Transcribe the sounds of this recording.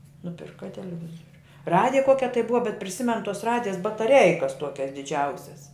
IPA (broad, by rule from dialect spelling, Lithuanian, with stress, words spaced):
nʊˈpʲɪrkɐ tʲɛlʲɛˈʋʲɪzoːrʲʊ ˈrɑːdʲɪjɛ ˈkuɔkʲɛ tɐɪ ˈbʊʋɐ bʲɛt pʲrʲɪˈsʲɪmʲɛn tuɔs ˈrɑːdʲɪjɛs bɐtɐˈrʲɛɪkɐs ˈtuɔkʲɛs dʲɪˈd͡ʒʲɛʊsʲɛs